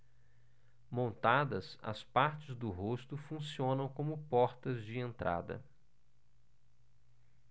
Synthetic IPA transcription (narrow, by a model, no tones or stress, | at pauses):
mõnt̪ad̪ɐ̰sɐ̰spaɾt͡ʃɪzd̪ʊɦost̪ʊfũsiõnɐ̃w̃kõmʊpɔɾt̪ɐzd͡ʒɪẽnt̪ɾa̰d̪ɐ̰